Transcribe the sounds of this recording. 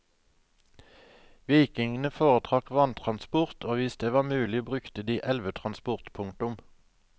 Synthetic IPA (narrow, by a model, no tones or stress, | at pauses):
ʋiːkɪŋn̩əfoːʁət̪ʰʁɑkʋɑnt̪ʰʁɑnspʊʁt̪ʰoːʋɪsd̪̥eːʋɑːmʉːlɪbʁʉkt̪əd̪iːʔɛlʋət̪ʰʁɑnspʊʁt̪pʰʊŋt̪ʊm